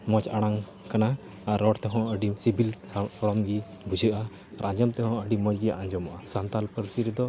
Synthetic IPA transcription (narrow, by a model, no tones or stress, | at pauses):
mɔt͡ʃaɽ̃aŋ | kanaː | ɾːɔʈt̪ɛɦɔ̃əɖisibilsɔɽɔmɡi | bud͡ʒəʔa | ɾad͡ʒɔmt̪ɛhɔ̃əɖimɔt͡ʃɡiʔaɲd͡ʒɔmaʔasant̪alpəɾsiɾɛd̪ɔ